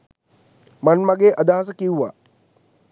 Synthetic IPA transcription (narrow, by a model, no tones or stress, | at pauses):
mɐnmɐɡeːʔɐd̪aɦɐs̬ɐkiwʋa